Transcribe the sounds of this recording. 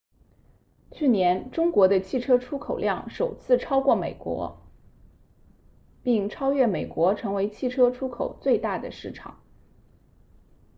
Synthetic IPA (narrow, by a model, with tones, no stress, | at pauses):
t͡ɕʰy˥˩njɛ˧˥nʈ͡ʂʊ˥ŋkwɔ˧˥d̪ə˧t͡ɕʰi˥˩ʈ͡ʂʰɤ˥ʈ͡ʂʰu˥kʰo˨˩ʊljɑ˥˩ŋʂo˨˩ʊt͡sʰɹ̩˥˩ʈ͡ʂʰɑ˥ʊkwɔ˥˩me˨˩ɪkwɔ̰˧˥ | pi˥˩ŋʈ͡ʂʰɑ˥ʊɥɛ˥˩me˨˩ɪkwɔ˧˥ʈ͡ʂʰɤ˧˥ŋwe˧˥ɪt͡ɕʰi˥˩ʈ͡ʂʰɤ˥ʈ͡ʂʰu˥kʰo˨˩ʊt͡swe˥˧ɪt̪a˥˩d̪ə̰˩ʂɻ̩˥˩ʈ͡ʂʰɑ̰˨˩˦ŋ